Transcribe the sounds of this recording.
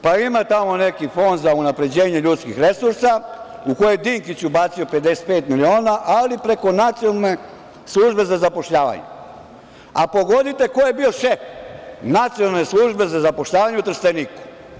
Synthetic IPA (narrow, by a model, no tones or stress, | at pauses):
paimat̪amo̞ne̞kifo̞nd̪zaunapɾe̞d͡ʑe̞ːɲe̞ʎut̪skixɾe̞suɾsa | uko̞jed̪iŋkit͡ɕubat̪sio̞pe̞t̪d̪ese̥t̪̚peːt̪milio̞ːnaʔalipɾe̞ko̞nat̪sijolne | slˠuʒbe̞zazapo̞ʃʎaːʋa̰ɲḛ | apo̞ɡo̞d̪it̪e̞ko̞jebio̞ʃefnat̪sijonalneslˠuʒbe̞zazapo̞ʃʎaːʋaɲeut̪ɾ̩st̪eniːku̥